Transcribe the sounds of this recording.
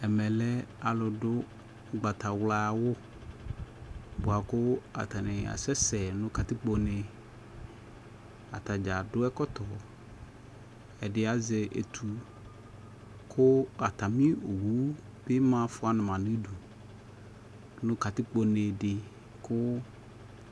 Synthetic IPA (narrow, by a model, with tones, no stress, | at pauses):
ɛ˨mɛ˨lɛ˦a˨lʊ˨dʊ˦˨ | ɡ͡ba˨t̪a˨wla˨wʊ˦ | bʊ˨a˨kʊ˦a̰˨t̪a˨nɪ̃˨a̰˨sɛ˦sɛ˨nʊ̃˦ka˨t̪ɪ˦k͡po˨nɪ˨ | a˨t̪a˨d͡ʒa˨dʊ˦ɛ˦kɔ˦t̪ɔ˨ | ɛ˨dɪ˨a˨zɪ˨ʔḛ˨t̪ʰu˨ | kʰʊ˦a˨t̪a˨mĩ˦o˨wu˦ | be˦mã˦fʊ˦a˨nɪ̃˨mã˨nɪ̃˦du˨ | nʊ̃˦ka˨t̪ɪ˦k͡po˨˦ne˨dɪ˨ | kʰʊ˦